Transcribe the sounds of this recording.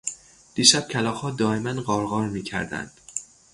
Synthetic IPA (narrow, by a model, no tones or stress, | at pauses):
d̪̥iːʃæb̥̚cʲʰælɒːxɒːd̪ɒːemænɢɒːɾɣɒːɾmiːcʰæ̰ɾd̪æ̰nd̪̥